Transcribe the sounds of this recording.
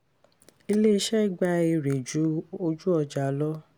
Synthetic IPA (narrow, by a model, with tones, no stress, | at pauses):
i˧le˦˧˦ʃɛ˦˨ɡ͡ba˧e˧ɾe˨d͡ʒu˨˦o˧d͡ʒu˦ɔ˧d͡ʒa˨˦lɔ˦